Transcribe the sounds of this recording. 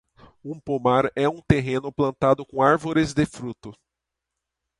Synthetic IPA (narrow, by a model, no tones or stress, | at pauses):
ũpomaɾɛũt̪eɦẽnʊplɐ̃nt̪ad̪ʊkõaɾvoɾɪzd̪ɪfɾut̪ʊ